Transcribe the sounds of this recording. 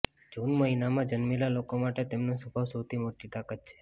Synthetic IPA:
d͡ʒunməɦinamãd͡ʒənmelalokomaʈet̪emnosəbʱaʋsəwt̪ʰimoʈit̪akat̪̚t͡ʃʰe̥

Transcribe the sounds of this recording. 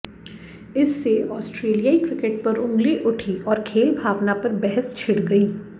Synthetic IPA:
ɪsːeʔɔːsʈɾeːlijaːikɾɪkeʈ̚pɐɾʊ̃ŋɡleʔʊʈʰiʔɔːɾkʰeːlbʱaːʋnapɐɾbɛɦəst͡ʃʰɪɽɡɐiː

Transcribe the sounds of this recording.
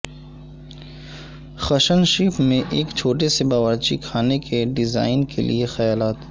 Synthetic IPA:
xɐʃənʃiːpmẽʔeːkt͡ʃʰoːʈesebaːʋəɾt͡ʃḭkʰaːnekeɖɪza̰ːɪnkḛlʔḭexɐjaːlaːt̪

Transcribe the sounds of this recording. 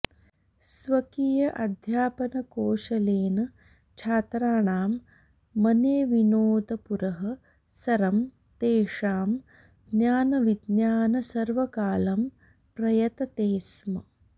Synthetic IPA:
sʋɐkijɐʔɐd̪ʱjaːpɐnɐkoːʃɐleːnɐ | t͡ʃʰaːt̪ɾaːɳaːmː | ɐneːʋinoːd̪ɐpuɾɐɦɐ̆ | sɐɾɐm | t̪eːʂaːm | d̪njaːnɐʋid̪njaːnɐsɐɾʋɐkaːlɐm | pɾɐjɐt̪ɐt̪eːsmɐ

